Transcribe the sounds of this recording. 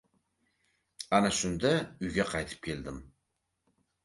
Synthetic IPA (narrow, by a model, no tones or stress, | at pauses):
anaʃʊnd̪aʊjɡʲaqʰɑjt̪ʰɨ̥p̚kʲʰe̞ld̪ɪm